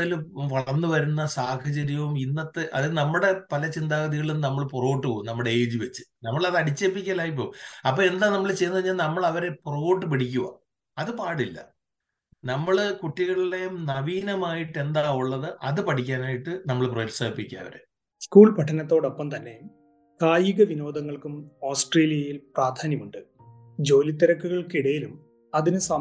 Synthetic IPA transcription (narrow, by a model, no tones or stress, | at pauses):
iluʋɐɭɐnːɨʋɐɾunːɐsaːhʰɐt͡ɕɐɾjɐʋuminːɐt̪ːeʔɐ̰ðilnɐmːuɽe̞pɐlɐt͡ɕind̪aːɡɐðiɣɐɭunnɐmːɐɭpuro̞ːʈːɨkoːumnɐmːuɽe̞eːðiʋet͡ɕːɨ̥nɐmːɐɭɐðɨɐɽit͡ɕːeːpːikʲːaːlaːjip̬ːo̰ːɐpːoːe̞nd̪aːnɐmːɐɭt͡ɕe̞jnːɐʋɐɲːaːlnɐmːɐɭɐʋɐɾe̞puroːʈːɨpiʈikʲːuʋɐ̰ | ɐðɨpaːɽilːɐ̰ | nɐmːɐɭkuʈːiɣɐɭiɽejmnɐʋiːnɐmaːjiʈːe̞nd̪aːuɭːɐðɨʔɐðɨpɐʈʰikʲːaːnaːjiʈːɨnɐmːɐɭproːtsaːɐpːikʲːaɐ̰ʋɐ̰ɾḛ | skuːɭpɐʈʰːɐnɐt̪ːo̞ːɽo̞pːɐmt̪ɐnːe̞jm | kaːjuɣɐʋino̞ːd̪ʱɐŋːɐɭkumoːsʈreːlijɐjilpraːd̪ʱaːnjɐmuɳɖɨ | d͡ʑo̞ːlit̪ːɐɾɐkːuɣɐɭkiɽɐjilum | ɐðinɨsɐ